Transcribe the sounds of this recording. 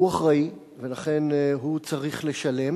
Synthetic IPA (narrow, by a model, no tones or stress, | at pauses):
uaχʁai | ve̞laχe̞nɦut͡saʁiχle̞ʃale̞m